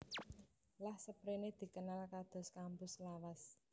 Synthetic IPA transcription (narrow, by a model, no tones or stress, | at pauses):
lahsəpɾened̪̥i̤kənalkad̪̥ɔ̤skampʊslawas